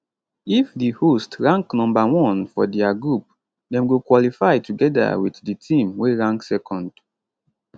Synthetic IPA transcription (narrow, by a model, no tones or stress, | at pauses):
ifdihostɹãŋknɔ̃mbawɔ̃nfɔdɛaɡɹup̚ | dɛ̃mɡokwɔlifaɪtuɡɛda̰witditʰĩmweɹãŋksɛkʰɔ̃nd